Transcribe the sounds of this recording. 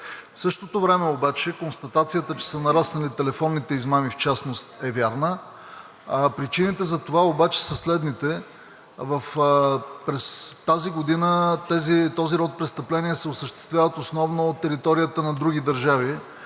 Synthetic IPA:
fsɤʃt̪ot̪ovɾɛmɛobat͡ʃɛkonst̪ɐt̪at̪sijət̪ət͡ʃɛ̥sənɐɾasnɐlit̪ɛlɛfɔnːit̪ɛizmamift͡ʃasnost̪ɛvʲjaɾnə | pɾit͡ʃinit̪ɛzɐt̪ovaobat͡ʃɛ̥səslɛd̪nit̪ɛ | vəf | pɾɛst̪aziɡod̪inət̪ɛzit̪ɔziɾɔt̪̚pɾɛst̪ɐplɛniɛsɛosəʃt̪ɛ̥st̪vʲavət̪osnɔvnoːt̪ːɛɾit̪ɔɾijət̪ənɐd̪ɾuɡid̪ɐɾʒavi

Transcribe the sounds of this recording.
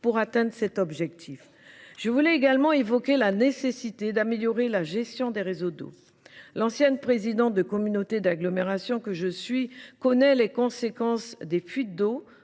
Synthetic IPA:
puʁat̪ɛ̃d̪ʁəsɛt̪ɔbʒɛk̚t̪ʰif | ʒ̥əvulɛeɡalmɑ̃evɔkʲelanesesit̪ed̪ameljɔʁelaʒɛst̪jɔ̃d̪eʁezod̪o̰ | lɑ̃sjɛnpχezid̪ɑ̃t̪̚d̪əkɔmynot̪ed̪aɡlɔmeʁasjɔ̃kəʒəsɥikɔnɛlekɔ̃sekɑ̃sd̪efɥit̪̚d̪o

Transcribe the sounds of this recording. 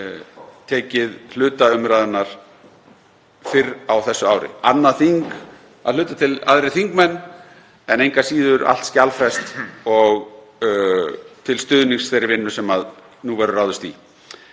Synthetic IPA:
t̪ʰɛːcɪðl̥ʏːt̪aʏmɾajðʏnːaɾ̥ | fɪɾawθɛsːʏawɾɪ̰anːaθiŋk | aðlʏːt̪at̪ʰɪla̰ðɾɪθiŋkmɛnː | ɛnejŋkasiːðʏɾʔa̰l̥t̪scalfɛst̪ɔɣ | t̪ʰɪlst̪ʏːðniŋsθejɾɪɾvɪnːʏsɛmað | nuvɛɾʏraːwðʏst̪i

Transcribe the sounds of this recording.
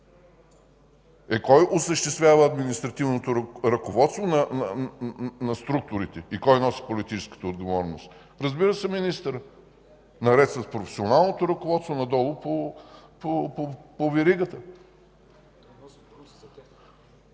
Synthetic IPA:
ɛkɔjʔosəʃt̪ɛst̪vʲjavəːd̪minist̪ɾɐt̪ivnot̪oɾɐkovɔt̪st̪vonɐn | nɐst̪ɾuk̚t̪ʊɾit̪ɛikɔjnɔsi̥polit̪it͡ʃɛ̥skə̥t̪əod̪ɡovɔɾnost̪ | ɾəzbiɾəsɛminist̪əɾ | nɐɾɛt̪svɐt̪pɾofɛ̥sionalˠnot̪oɾɐkovɔt̪st̪vonɐd̪ɔlˠopopoopovɛɾiɡət̪ə

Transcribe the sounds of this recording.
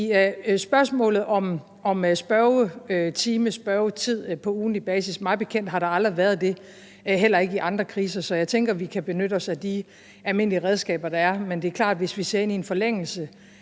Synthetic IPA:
isb̥ɶɐsmɔ̰̽ːlð̞̩ˠɒ̽m | ɒ̽msb̥ɶʊt͡sʰiːməsb̥ɶʊt͡sʰið̞̰ˠpʰɒ̽uːnib̥ɛːsismɑ̈ɪb̥e̝kʰen̰d̥ɦɑ̈ɾ̥ɑ̈ɑ̈ld̥ʁiʋæɐð̞ˠd̥e̝ | ɦel̰ɐe̝ɡ̥əiʔɑ̈nd̥ʁɐkʰʁiːsɐsɒ̽jɑ̈ɪt͡sʰeŋɡ̥ɐʋikʰæb̥e̝nøɾ̥əɒ̽sæd̥i | ælme̝n̰liəʁɛð̞ˠsɡ̥ɛ̰ːb̥ɐd̥ɑ̈æɐmend̥e̝æɐkʰlɑ̰̈ːd̥ʋe̝sʋise̝ɐe̝nienfɒ̽leŋ̰l̩sə

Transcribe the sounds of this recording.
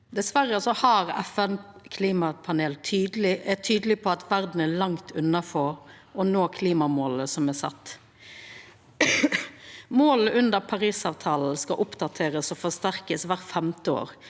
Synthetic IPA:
d̪ɛsʋæʁəsɔhɑʁɛ̰fɛnkʰliːmɑpʰɑneːlt̪ʰyːd̪əlɪʔɛt̪ʰyːd̪əlɪpʰɔɑt̪ʰʋæʁd̪n̩ælɑŋt̪ʰʉnːɑfɔɾ | ɔnoːkʰliːmɑmoːləsɔmɛsɑ̰t̪ː | moːləʔʉnd̪əɾpʰɑʁiːsɑːʋt̪ʰɑːl̩skɑʔʊpd̪ɑt̪ʰeːʁəsɔfɔst̪æʁkəsʋæʁfɛmt̪əo̰ːɾ

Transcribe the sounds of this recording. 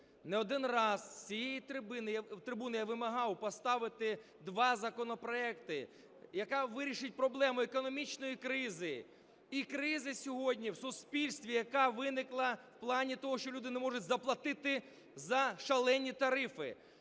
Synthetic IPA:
nɛɔd̪ɪnrɑzt͡sʲijejit̪ɾɪbɪnjwt̪ɾɪbunɪjaʋɪmɐɦɑwpɔst̪ɑʋɪt̪ɪ | d̪ʋɑzɐkɔnɔpɾɔɛkt̪ɪ | jɐkɑʋɪɾʲiʃɪt̚ʲpɾɔblˠɛmʊekɔnɔmʲit͡ʃnɔjikɾɪzɪ | ikɾɪzɪsʲɔɦɔdʲnʲiwsʊspʲilʲsʲt̪ʋʲijɐkɑʋɪnɪklˠɐwplˠɑnʲit̪ɔɦɔʃt͡ʃɔlʲud̪ɪnɛmɔʐʊtʲzɐplˠɐt̪ɪt̪ɪ | zɐʃɐlˠɛnʲːit̪ɐɾɪfɪ̰

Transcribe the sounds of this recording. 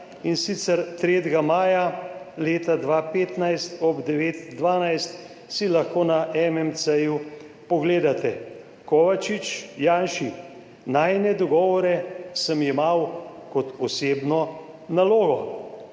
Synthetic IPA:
insit̪sɛɾt̪ɾeːt̪ɡamaːjaleːt̪ad̪ʋapeːt̪najst̪ɔbd̪ɛʋeːt̪d̪ʋaːnajst̪ | silɐxkoːnaʔɛmɛmt̪səju | pɔɡleːd̪at̪ɛ | kɔːʋat͡ʃit͡ʃjaːnʃi | najnɛd̪ɔɡɔːʋɔɾɛsəmimawkɔt̪ɔseːbnɔ | naloːɡɔ

